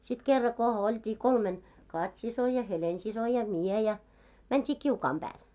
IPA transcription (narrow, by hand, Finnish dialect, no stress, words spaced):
sit kerːɑ ko oltʲiː kolmen kɑtʲsiso jɑ helensiso jɑ mie jɑ mæntʲi kiukɑːm b̥æːl